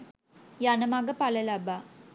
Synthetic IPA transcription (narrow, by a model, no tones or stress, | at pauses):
janɐmaɡɐpalɐlaba